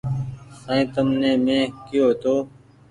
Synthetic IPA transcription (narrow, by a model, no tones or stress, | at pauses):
sãːĩːt̪əmneːmẽːkiːoːt̪oː